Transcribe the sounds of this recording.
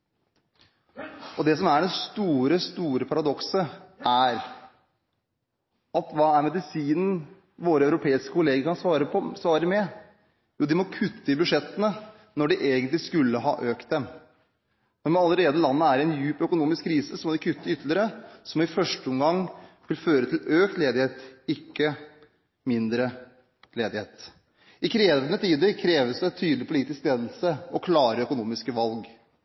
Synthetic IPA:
ʔɔd̪ɛs̬ɔmæɖɛnst̪uːɾəst̪uːɾəpʰɑɾɑd̪ɔksəʔæɾ | ɑt̪ʋɑːæɾmɛd̪ɪsiːnən̩ | ʋoːɾəɑʉɾʊpʰeːɪskəkʊleːɡəɾkɑnsɑːɾəsʋɑːɾəmɛ | juːd̪ɪmɔkʰʉt̪ʰːəɪbʉʂɛt̪ːənə | nɔɖɪʔeːɡənt̪lɪskʉlːəɦɑ̰ːʔøːkt̪̚d̪ɛm | nɔmɑləɾeːd̪əlɑnːəæɾɪɛnjʉːpœkʊnuːmɪskʰːɾiːsəsɔmɔd̪ɪkʰʉt̪ːəʏt̪ːlɪɾəsɔmɪfœʂʈəʊmɡɑŋː | ʋɪlføːɾət̪ʰɪløːkt̪leːd̪ɪheːt̪ɪkːə | mɪnd̪ɾə | leːd̪ɪheːt̪ | ɪkʰɾeːʋənət̪ʰiːd̪əɾkʰɾeːʋəsd̪ɛt̪ʰyːd̪lɪpʰʊliːt̪ɪskleːd̪l̩səɔkʰlɑːɾəœkʊnuːmɪskəʋɑlɡ

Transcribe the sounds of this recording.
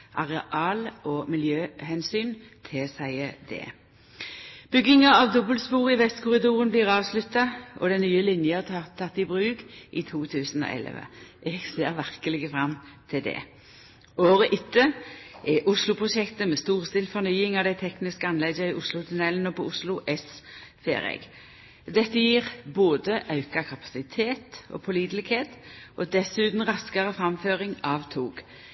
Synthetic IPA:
ʔɑʁɛʔɑːlɔmɪljøːhɛnsyːn | t̪ʰɪsæɪəd̪ɛ̰ː | b̥ʏɡːɪŋɑɑʋd̪ɔbəlspuːʁɪʋɛst̪kʰʊʁɪd̪uːʁənblɪːʁɑːʋslʉt̪ːɑʔɔ̰d̪ɛnnyːəlɪnjət̪ʰːɑt̪ːɪbʁʉːkʔit̪ʰuːt̪ʰʉːsn̩o̰ːʔɛ̰lə̰ʋə̰ʔɛɡseːʁʋæʁkəlɪɡəfʁɑmt̪ʰɪld̪ɛ̰ː | oːʁəʔʏt̪ːəʔɛʔʊslʊpʰʁʊʃɛkt̪əmɛst̪uːʁst̪ɪːlfɔnyːɪŋɑʋd̪æɪt̪ʰɛknɪskəɑnlɛɡəɪʔʊslʊt̪ʰʉnɛlənɔpʰɔʊslʊʔɛsfḛːɾɛ̰ɡ | d̪ɛt̪ːəjiːʁboːd̪əʔɑʉkɑkʰɑpɑ̥sɪt̪ʰeːt̪ʔɔ̰pʰʊliːd̪əlɪɡheːt̪ʔɔd̪ɛsʉːt̪n̩ʁɑskɑʁəfʁɑmføːʁɪŋɑʋt̪ʰuːɡ

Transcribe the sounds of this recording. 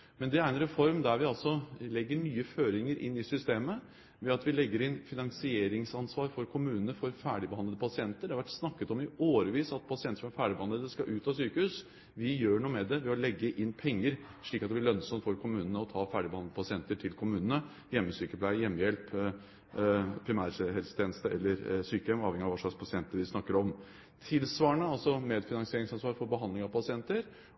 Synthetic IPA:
mɛnd̪ɛæɾɛnɾɛfɔɾmd̪æɾʋɪɑlsɔlɛɡːəɳyːəføːɾɪŋəɾʔɪ̰nːɪsʏst̪eːmə | ʋɛɑt̪ʋɪlɛɡːəɾɪnfɪnɑŋsɪeːɾɪŋsɑnsʋɑːɾfɔɾkʰʊmʉːnənəfɔɾfæːɖɪbəhɑnəd̪əpʰɑsɪɛnt̪əɖɛɑʋæʈːsnɑkːət̪ɔmɪoːɾəʋiːsɑt̪̚pʰɑsɪɛnt̪əʂɔmæɾfæːɖɪbəhɑnəd̪əskɑʔʉːt̪ɑsyːkəhʉːs | ʋɪjøːɳuːəmɛd̪ɛʋɪɔlɛɡːəʔɪnːpʰɛŋːəɾ | ʂɭiːkɑt̪d̪ɛb̪ɪɭœnsɔmt̪fɔɾkʰʊmʉːnənəɔt̪ʰɑːfæːɖɪbhɑnəd̪əpʰɑsɪɛnt̪əʈʰɪlkʰʊmʉːnənə | jɛmːəsyːkəpʰlæɪjɛmːəjɛlp | pʰɾɪmæːɾɦɛlsət̪ʰeːnəst̪əʔɛ̰lːəɾsyːkəjɛmɑːʋɛŋɪɑʋɑʂɭɑkspʰɑsɪɛnt̪əɾʋɪsnɑkːəɾɔm | t̪ʰɪlsʋɑːɳəɑlsɔmeːd̪fɪnɑŋsɪeːɾɪŋsɑnsʋɑːɾfɔɾbəɦɑnd̪ɪŋɑʋpʰɑsɪɛnt̪əɾ

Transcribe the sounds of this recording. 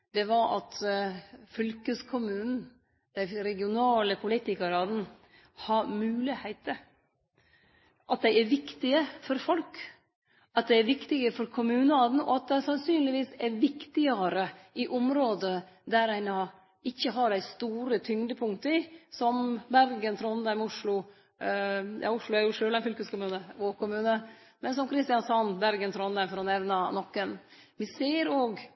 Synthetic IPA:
d̪ɛʋɑɾʔɑ̰t̪ | fʏlkəskʰʊmʉːnn̩ | d̪̥æɪɾɛɡɪʊnɑːləpʰʊliːt̪ɪkəɾɑd̪n | hɑɾmʉːlɪheɪt̪ə | ʔɑt̪̚d̪æɪæɾʋɪkt̪ɪəfɔɾfɔlk | ɑt̪̚d̪ɛɪæɾʋɪkt̪ɪɡəfɔɾkʰʊmʉːnəɑd̪n̩ɔ̰ɑt̪̚d̪ɛɪsɑnsyːnlɪʋiːsæɾʋɪkt̪ɪəɾəʔɪʔʊmɾoːd̪ə | d̪æɾæɪnɑ | ɪçːəɦɑɖæɪst̪uːɾət̪ʰʏŋd̪əpʰʊŋt̪əɪsɔmbæɾɡənt̪ʰɾɔnd̪æɪmʊʂɭʊ | jɑ̰ːʊʂlʊæɾjʊʂøːlæɪnfʏlkəskʊmʉːnəʋoɾkʊmʉːnə | mɛnsɔmkʰɾɪst̪ɪjɑnsɑnbæɾɡənt̪ʰɾɔnd̪æɪmfɔɾɔnɛʋnɑnɔkːən | ʋɪseːɾoːɡ

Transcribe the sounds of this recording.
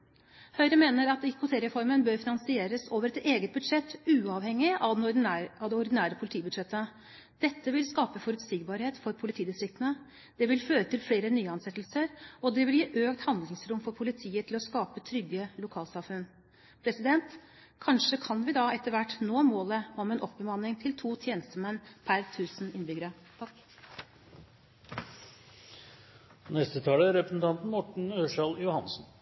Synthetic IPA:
hœʏɾəmeːnəɾɑt̪ɪkʰʊt̪ʰeːɾɛfɔɾmənbøːɾfɪnɑnsɪeːɾəsoːʋəɾɛt̪eːɡət̪̚bʉd̪ʂɛt̪ːʉːɑːʋhɛŋːɪɑd̪ɑd̪ɛɔɾd̪ɪnæːɾəpʰʊlt̪ʰiːbʉd̪ʂɛt̪ːə | d̪̥ɛt̪ːəʋɪlskɑːpəfɔɾʉt̪siːɡbɑɾheːt̪fɔɾpʰʊlɪt̪ʰiːd̪ɪst̪ɾɪk̚t̪ənə | d̪̥ɛʋɪlføːɾət̪ʰɪlfleːɾənyːəɑnsɛt̪ːlsəɾɔd̪ɛʋɪljiːʔøːkt̪hɑnd̪lɪŋsɾʊmfɔɾpʰʊlɪt̪ʰiːət̪ʰɪlɔskɑːpət̪ʰɾʏɡəlʊkʰɑːlsɑfʉnː | pʰɾɛsɪd̪ɛnt̪ | kʰɑnʂəkʰɑnʋɪd̪ɑɛt̪ːəɾʋæʈːnoːmoːləɔmɛnʔɔpːbəmɑnːɪŋt̪ʰɪlt̪ʰuːt̪ʰjeːnəst̪əmɛnpʰæɾt̪ʰʉːsn̩ɪnbʏɡəɾə | t̪ʰɑk | nɛst̪ət̪ʰɑːləɾɛpɾəsn̩t̪ʰɑnt̪n̩mɔʈɳ̩øːʂɑljʊhɑnsn̩

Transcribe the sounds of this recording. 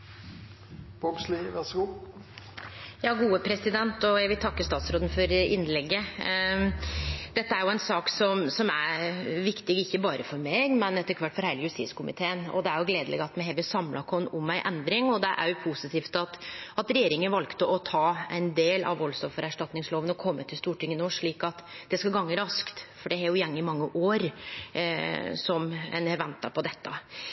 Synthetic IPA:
b̥ɔbsliʋæʁsəɡuː | jɑːɡuːəpʰɾɛsɪd̪ɛnt̪ɔjæɪʋɪlt̪ʰɑkːəst̪ɑːt̪sɾoːd̪n̩fɔɾɪnːlɛɡːə | d̪̥ɛt̪ːəæɾjʊæɪnsɑːksɔmsɔmæʋɪkt̪ɪɡɪçːəbɑːɾəfɔɾmeːɡmɛnɛt̪ːəɾkʰʋɑʈːfɔɾhæɪləjʉst̪iːskʊmɪ̰t̪ʰeːənɔ̰d̪ɛæɾjʊɡleːd̪əlɛ̰ɡɑt̪mɛɦɛːʋɪsɑmlɑkʰɔnʊmːæɪʔɛnd̪ɾɪŋɔd̪ɛʔæ̰ɾjʊpʰusɪt̪ʰiːft̪ɑt̪ɑt̪ɾɛjeːɾɪŋənʋɑlkt̪əʔɔt̪ʰɑːæɪnd̪eːlɑ̰ʋɔlst̪ɔfɔɾæʂʈɑt̪nɪŋsloːʋənɔkʰɔmːət̪ʰɪst̪uːʈɪŋːənoʂɭiːkɑt̪d̪̥ɛskɑlɡɑŋːəɾɑskt̪fɔɖɛæɾjʊjæŋːɪmɑŋːəʔoːɾ | sɔmɛ̰nɛʋɛnt̪ːɑpʰɔd̪ɛt̪ːə̰

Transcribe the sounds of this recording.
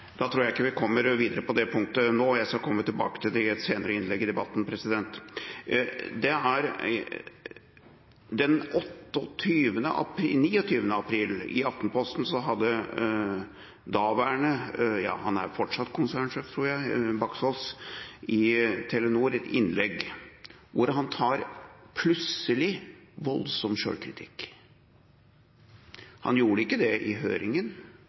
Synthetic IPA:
d̪ɑt̪ʰɾuːɾjæɪɪkːəʋɪkʰɔmːəɾʋiːd̪əɾəpɔd̪ɛpʰʊŋkt̪ənoːjæɪskɑkʰɔmːət̪ɪlbɑ̰ːkə̥t̪ʰɪld̪ɛɛt̪seːnəɾəɪnlɛɡːɪd̪ɛbɑt̪ːn̩pʰɾɛsɪd̪ɛnt̪ | d̪ɛæɾ | d̪ɛnɔt̪ːɔt̪ʰyːʋənə̰ʔɑ̰pʰɾiniːɔt̪ʰyːʋənəɑpʰɾiːlɪ̰ɑft̪npʰɔst̪n̩sɔɦɑd̪ːə | d̪ɑːʋæɳəjɑ̰ːhɑnæ̰ɾfɔʈʂɑt̪ːkʰʊnsæːɳʂeːft̪ʰɾuːɾjæɪbɑksɔːlsɪt̪ʰɛlənuːɾɛt̪ɪnlɛɡ | ʋʊɾɦɑnt̪ʰɑːɾpʰlʉsəlɪʋɔlsɔmʃø̰ːɭkʰɾɪt̪ʰɪ̰kː | hɑ̰njuːɾəɪkːəd̪ɛʔɪɦø̰ːɾɪŋən

